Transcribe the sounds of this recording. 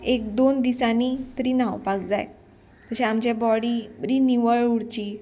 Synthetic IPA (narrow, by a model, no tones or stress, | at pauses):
ek̚d̪ond̪isanit̪əɾiːnawpakd͡za̰j | t̪əɕɛ̃amt͡ɕɛbɔɽiːəɾiniʋəɭuɽt͡ɕi